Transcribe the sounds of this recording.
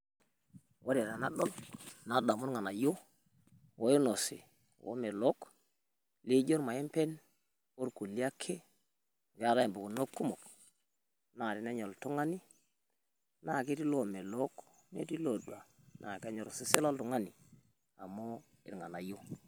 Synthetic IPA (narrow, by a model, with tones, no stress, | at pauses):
wʔo˦ɾe˨ɾa˨na˦ɗo˦lna˨˦da˨mu˦ɾŋa˨na˨jo˦ | wo˦jo˦no˨sḭ˨ | wo̰˦me˨lo˦k | li˦d͡ʒo˦ɾma˨e˦mpe˦n | o˦ɾku˨li˦a˦kʰːe˦ | ɡa˦ɾa˦˨mbo˨ku˨no˦kːu˦mo˨k | na˨ɾi˨na˦ɲo˨ltu˦ŋa˦ni˦ | na˦˨ki˦ti˦lo˨me˨lo˦k | ne˦ti˦lo˨dwa˨ | nʔa̰˨ka˦ɲo˨ɾsi˦se˦lo˦ltu˨ŋa˦ni˨ | a˨mo˦ | ḭ˨ɾŋa˨na˨jo˦